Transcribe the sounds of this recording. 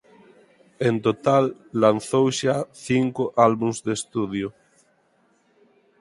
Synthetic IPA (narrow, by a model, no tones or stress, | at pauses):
ent̪ot̪alːanθowʃaθiŋkoʔalβuŋzd̪est̪uðjo